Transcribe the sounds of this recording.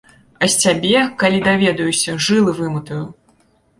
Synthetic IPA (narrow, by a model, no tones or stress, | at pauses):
ɐsʲt͡sʲabʲɛkalʲid̪avʲɛd̪ɐjusʲɐʐɨlˠɨvɨmɨt̪ɐju